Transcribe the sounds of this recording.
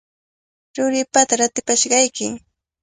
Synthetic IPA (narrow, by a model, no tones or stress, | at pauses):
ɾʊɾɪpat̪aɾat̪ɪpaʃɢɑjkɪŋ